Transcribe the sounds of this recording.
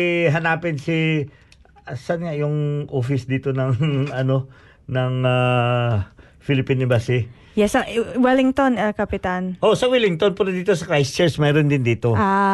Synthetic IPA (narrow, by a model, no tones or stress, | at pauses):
ɦɐnaːpɪnsɪ | sɐnŋajʊŋʔoːfɪsd̪iːt̪o̞nɐŋʔɐno̞ | nɐŋa | filɪpinɪbasɪ | jɛsɐʔwɛlɪŋt̪onɐkɐpɪt̪anʔoʔsɐwilɪŋt̪onpuɾɐd̪iːt̪osɐkɾajst͡ʃɛɹsmɛːɾond̪ɪnd̪iːt̪o̞a